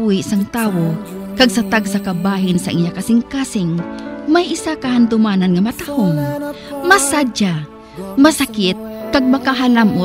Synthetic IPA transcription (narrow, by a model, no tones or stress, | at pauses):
wɪsaŋt̪aːwo | kɐɡ̚sɐt̪aɡsakɐbaːɦɪnsɐʔɪɲakasɪŋkaːsɪŋmajʔɪsakɐhand̪ʊmaːnɐnŋɐmɐt̪ahoŋ | mɐsad͡ʒa | mɐsakɪt̪̚kaɡ̚mɐkaɦalamʔo